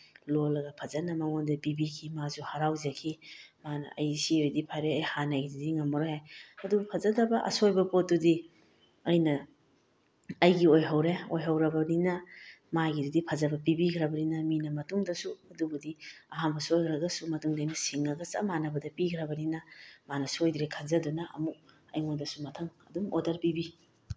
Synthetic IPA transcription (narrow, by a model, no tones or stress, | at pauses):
lolɐɡɐpʰɐzɐnɐmɐŋondɐpibikʰimazuhaɾawzakʰimanɐ̰ɐjsiojdipʰaɾeɐjhanɐɡididiŋɐmːɐɾojhajɐdubɐpʰɐzɐdɐbɐʔɐ̰sojbɐpot̚dudi | ɐjnɐ | ɐjɡiojɦɐwɾeojɦɐwɾɐbɐninɐ | maɡididipʰazɐbɐpibikʰɾɐbɐninɐminɐmɐtuŋdɐsuɐdubudiɐɦanbɐsojkʰɾɐɡɐsumɐtuŋdɐɐjnɐsiŋɐɡɐsɐ̰manɐbɐdɐpikʰɾɐbɐninɐmanɐsuojdɾekʰazɐdunɐɐ̰mu | ɐ̰jŋodɐsumɐtʰɐŋɐ̰dumo̰dɐɾpibi